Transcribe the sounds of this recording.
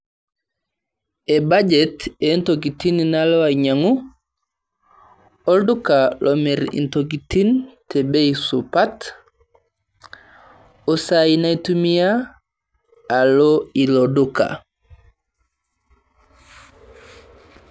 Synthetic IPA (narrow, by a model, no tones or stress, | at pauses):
ebad͡ʒɛtɛntokitininalɔaɲaŋu | oldukalʔomɛɾḭntok̬itintɛbejsupat | ɔsajinajtumija | loiloduka̰